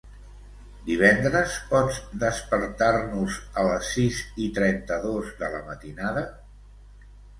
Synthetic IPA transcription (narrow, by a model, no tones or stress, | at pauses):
d̪iβ̞ɛnd̪ɾəspɔd͡zd̪əspəɾt̪aɾnuzələsːizit̪ɾɛnt̪əðozðələ̰mət̪inaðə